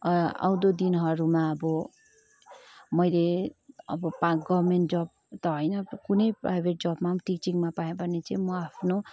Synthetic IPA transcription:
a̰w̃d̪od̪inɦʌɾumaʌbʌ | mʌjleʌ̰bʌpaɡʌbmenʈd͡zʌb̚ | t̪ʌɦʌjnʌkunʌjprajbʱeʈ̚d͡zʌbmãʈik̚t͡siŋmapajẽbʱʌnet͡sʌj̃mʌapʰno

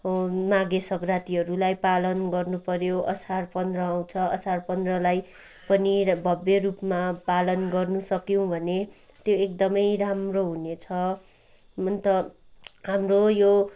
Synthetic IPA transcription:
maɡesʌɡrat̪iʌɾulajpalʌnɡʌrnupʌɾjoʔʌsarpʌnd̪rʌaw̃t͡sʰʌʌsarpʌnd̪rʌlaj | pʌnibʱʌbjerupmapalʌnɡʌrnusʌkjõw̃bʱʌne | t̪joek̚d̪ʌmʌjramroɦunet͡sʰʌ | ʌnt̪ʌ | ɦamrojo

